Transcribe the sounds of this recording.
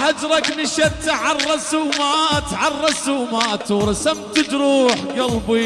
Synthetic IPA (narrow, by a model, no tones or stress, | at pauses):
had͡ʒɾˤɑknɪʃɑɾt̪aʕarˤːɑsumat̪ʕarˤːɑsumat̪ɾˤɑsamt̪ɪt̪ɾuːħɡɑlbi